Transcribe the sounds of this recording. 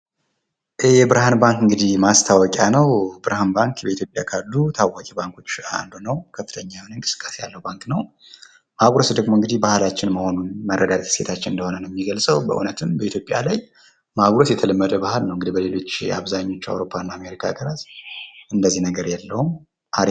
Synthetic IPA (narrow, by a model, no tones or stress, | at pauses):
ʔeɛbɨɾhanbaŋkɨŋɡɨd̪ihmast̪ʰawɔkʼjanəwbɨɾhanbaŋkbəit̪ʰjopʼjakʰad̪ut̪ʰawːakʼɛbaŋkʰo̞t͡ʃːa̰nd̪unəwkʰəfːɨt̪ʰəɲːawnɨŋkʼɨsɨ̥kʼːasejalːəhubaŋknəw | maɡɾosd̪əɡmoɨŋɡɨd̪ihbahɨlat͡ʃːɪnməho̞nunmərːəd̪adt̪se̞t̪ʰat͡ʃːɪnɨnd̪əho̞nənjɛmːiɡəlsʼəwbə̰ʔṵnət̪ʰɨmbəit̪ʰjopʼjalaj | maɡɾotjɛt̪ʰələmːəd̪əbahɨlnəwɨŋɡɨd̪ibəle̞lo̞t͡ʃːa̰βzaɲːo̞t͡ʃːa̰wɾo̞pʰːanːaːme̞ɾikʰa̰ɡəɾat̪ʔɨnd̪əzːihnəɡəɾjalːəhum | ʔaɾ